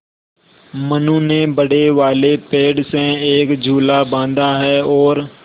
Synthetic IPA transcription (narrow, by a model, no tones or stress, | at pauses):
mənũnebəɽeʋaːlepeːɖsẽeːkd͡ʒʱuːlabãːnd̪aɦɛːɔːɾ